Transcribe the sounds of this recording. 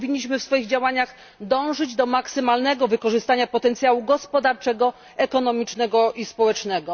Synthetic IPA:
vʲiɲːiɕmɘfsfɔjiɣd͡ʑawaɲaɣ | d̪ɔ̃w̃ʐɘd͡ʑd̪ɔmaksɘmalnɛɡɔvɘkɔʐɘst̪aɲapɔt̪ɛnt̪sʲjawuɡɔspɔd̪aɾt͡ʂɛɡɔ | ɛkɔnɔmʲit͡ʂnɛɡɔʔispɔwɛt͡ʂnɛɡɔ

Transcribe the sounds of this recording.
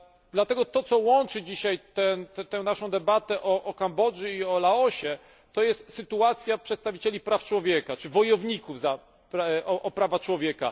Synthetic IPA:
d̪lat̪ɛɡɔt̪ɔt̪sɔwɔnt͡ʂɘd͡ʑiɕajt̪ɛnt̪ɛw̃naʂɔ̃w̃d̪ɛbat̪ɛʔɔʔɔkambɔʐuiɔlaɔɕɛ | t̪ɔjɛst̪sɘt̪uat̪sʲjapʂɛt̪st̪avʲit͡ɕelʲipɾaft͡ʂwɔvʲjɛkat͡ʂɘvɔjɔvɲikuvza | pɾaʔɔʔɔpɾavat͡ʂwɔvʲjɛka̰

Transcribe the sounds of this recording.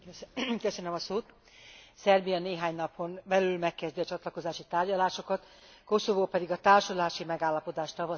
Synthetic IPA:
køsønømɒsoːt̪ | sɛrbijɒneːɦaːɲnɒpho̞nbɛlylmɛkːɛzd̪iɒt͡ʃɒt̪lɒko̞zaːʃit̪aːrɟɒlaːʃo̞kɒt̪ | ko̞sovoːpɛd̪iɡɒt̪aːrʃolaːʃimɛɡaːlːɒpo̞d̪aːʃt̪ɒvɒ

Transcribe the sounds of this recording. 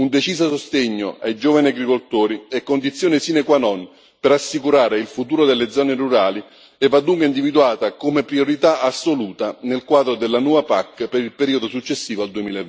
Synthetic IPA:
und̪et͡ʃiːsasost̪eɲːoʔa̰jd͡ʒoːvaniaɡɾikolt̪oːɾiɛkːond̪it̪sjoːnɪsinekwanɔn | peɾasːikuɾaːɾeilfut̪uːɾod̪elːed̪zːɔːneruɾaːli | ɛvːad̪ːuŋkweind̪ivid̪uaːt̪akomepɾioɾit̪aasːoluːt̪anelkwaːd̪ɾod̪elːanwɔːvapakːpeɾilpeɾiːod̪osut͡ʃːesːiːvald̪uemiːlaev

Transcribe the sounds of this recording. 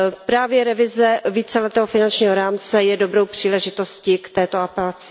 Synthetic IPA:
pɾaːvjɛɾɛvɪzɛviːt͡sɛlɛt̪ɛːɦofɪnant͡ʃɲiːɦoɾaːmt͡sɛjɛdo̞bɾowpr̝̥iːlɛʒɪt̪o̞scikt̪ɛːt̪oapɛlat͡sɪ̥

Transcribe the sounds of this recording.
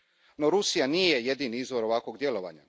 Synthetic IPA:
no̞ɾusijanije̞je̞d̪iniizʋo̞ɾo̞ʋakʋo̞ɡd̪je̞lo̞ʋa̰ɲa̰

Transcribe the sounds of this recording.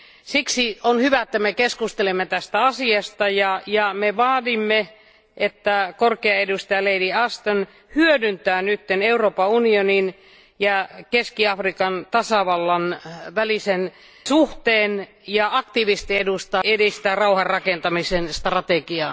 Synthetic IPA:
siksionhyʋæet̪ːæmekeskust̪elemːet̪æst̪æɑsiɑst̪ɑjɑjɑmeʋɑːdimːe | ʔet̪ːækorkeɑedust̪ɑjɑleidiɑst̪on | hyødynt̪æːnyt̪ːeneuroːpɑunionin | jɑkeskiɑfrikɑnt̪ɑsɑʋɑlːɑnʋælisen | suht̪eːn | jɑɑkt̪iʋist̪iedust̪ɑedist̪æːrɑuhɑrrɑkent̪ɑmisenst̪rɑt̪ekiɑː

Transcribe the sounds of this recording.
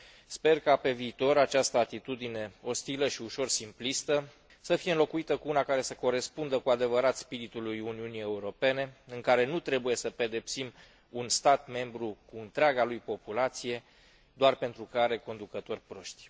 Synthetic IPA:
spe̞rkape̞viːt̪o̞ɾat͡ʃast̪əat̪it̪ud̪ine̞o̞st̪iləʃiuʃo̞rsimplist̪ə | səfije̞ɨnlo̞kuit̪əkuunakaɾe̞səko̞ɾe̞spund̪əkuad̪e̞vəɾat̪spiɾit̪ulujuniunije̞uɾo̞pe̞ne̞ɨŋkaɾe̞nut̪ɾe̞buje̞səpe̞d̪e̞psim | unst̪at̪me̞mbɾukuɨnt̪ɾeaɡalujpo̞pulat̪sije̞ | d̪oarpe̞nt̪ɾukaɾe̞ko̞nd̪ukət̪o̞rʲpɾo̞ʃt̪ʲ

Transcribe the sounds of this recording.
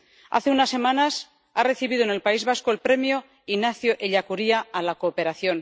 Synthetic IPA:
a̰θe̞unasːe̞mãnas | are̞θiβiðoenelpaizβasko̞elpɾe̞mjo | inaθjoʔeʎakuɾiaːlakoːpe̞ɾaθjo̞n

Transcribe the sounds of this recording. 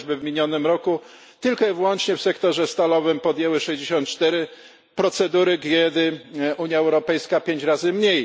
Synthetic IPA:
ʑbɘvmʲiɲɔnɘmɾɔku | t̪ɘlkɔɛvwɔnt͡ʂɲɛfsɛkt̪ɔʐɛst̪alɔvɘmpɔd̪jɛwɘʂɛʑd͡ʑeɕɔ̃nt̪̚t͡ʂt̪ɛɾɘ | pɾɔt̪sɛd̪uɾɘɡɛd̪ɘuɲjaɛwɾɔpɛjskapʲjeɲt͡ɕɾazɘmɲej

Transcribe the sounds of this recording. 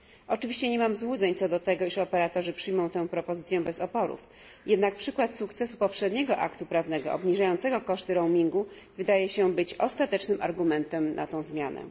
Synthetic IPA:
ʔɔt͡ʂɘvʲiɕt͡ɕɛɲɛmamzwud̪zɛɲt̪sɔd̪ɔt̪ɛɡɔiʂɔpɛɾat̪ɔʐɘpʂɘjmɔ̃w̃t̪ɛ̃w̃pɾɔpɔzɘt̪sʲjɛbɛzɔpɔɾṵf | jɛd̪nak̚pʂɘkwat̪sukt̪sɛsupɔpʂɛd̪ɲɛɡɔʔa̰kt̪upɾavnɛɡɔɔ̰bɲiʐajɔ̃nt̪sɛɡɔkɔʂt̪ɘɾɔwmʲiŋɡu | vɘd̪ajɛɕɛbɘt͡ɕɔst̪at̪ɛt͡ʂnɘmʔa̰ɾɡumɛnt̪ɛmnʔa̰t̪ɔ̃w̃zmʲjanɛ̰

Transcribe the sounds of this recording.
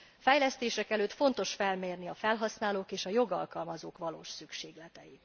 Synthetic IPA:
fɛjlɛst̪eːʃɛkɛløːt̪fo̞nt̪o̞ʃfɛlmeːrniɒfɛlɦɒsnaːloːkeːʃɒjo̞ɡɒ̰lkɒlmɒzoːkʋɒlo̰ːʃsykʃeːɡlɛt̪ɛji

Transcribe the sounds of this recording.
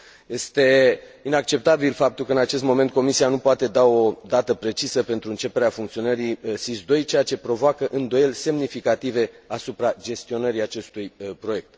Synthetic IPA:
je̞st̪e̞inak̚t͡ʃe̞p̚t̪abilfap̚t̪ulkəɨnat͡ʃe̞st̪mo̞ment̪̚ko̞misianupoat̪e̞d̪ao̞d̪at̪əpɾe̞t͡ʃisəpe̞nt̪ɾuɨnt͡ʃe̞pe̞ɾeafuŋkt̪sio̞nəɾisisd̪o̞jt͡ʃe̞jat͡ʃe̞pɾo̞voakəʔɨnd̪o̞je̞lʲse̞mnifikat̪ive̞asupɾad͡ʒe̞st̪io̞nəɾiat͡ʃe̞st̪ujpɾo̞je̞k̚t̪

